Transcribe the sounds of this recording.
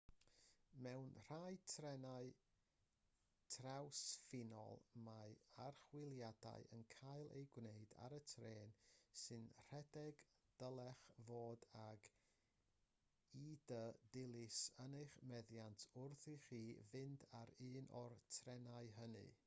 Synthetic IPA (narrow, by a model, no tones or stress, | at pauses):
mɛwnr̥aɨtʰrɛnaɨ | tʰrawsfɪnɔ̰lˠmaarχwɪlˠjada̰ɨʔə̰nkʰajlˠʔḛjɡwneɨda̰ɾətʰreːnsɨnr̥ɛdɛɡ | d̥əlˠɛχvoːdaɡ | iːdədɪlˠɪsənejχmɛðjantʰʊrθɨχiːvɪndaɾɨːnʔɔrtʰrɛnaɨɦənɨ̰